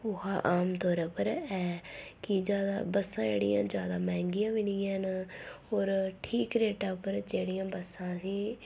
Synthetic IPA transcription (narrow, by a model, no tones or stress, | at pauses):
ʊhaːʔaːmt̪ɔːɾəpəɾɛːkɪd͡ʒjaːd̪a̰ːbəsãːd͡ʒḛːɽḭjã̰ːd͡ʒjaːd̪aːmɛ̃ːŋɡɪjãːʋinijaːnɦoːɾʈʰiːkɾeːʈaːpəɾd͡ʒeːɽijãːbəsãːsiː